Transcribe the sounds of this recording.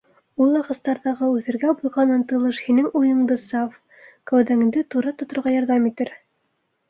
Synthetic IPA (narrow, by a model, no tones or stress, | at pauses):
ulˠːɑʁɤ̆st̪ɑɾðɑʁɤʉθɘ̆ɾɡæbujʁɑnɤnt̪ɤ̆lˠɤʃhinɘŋujɤ̆ɴd̪ɤsɑf | kæwðæŋ̆nd̪ɘt̪uɾɑt̪ŏt̪ŏɾʁɑjɑɾðɑmit̪ɘɾ